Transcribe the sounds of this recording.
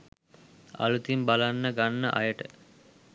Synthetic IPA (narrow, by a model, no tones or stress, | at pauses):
a̰lut̪imbalanːəɡanːəʔa̰jəʈə